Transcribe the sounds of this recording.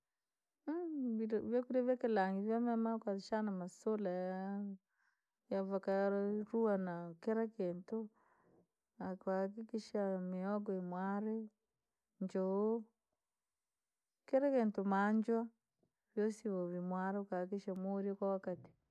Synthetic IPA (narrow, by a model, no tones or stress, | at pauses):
iβjakuɾiβakelaŋɡiβjamamakwaʃanamasolaja | javakaɾɾuanakeɾakeːntu | akakikiʃamiɔɡoimwaɾe | ɲd͡ʒoo | keɾakeːntumaɲd͡ʒwa | βjosiβoβimwaɾekakiʃamoɾikwawakati̥